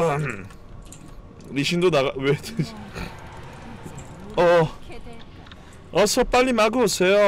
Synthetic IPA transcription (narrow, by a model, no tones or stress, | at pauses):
liɕind̪onaɡawet | ʌ | ʌsʰʌp͈aʎːimaɡɯosejo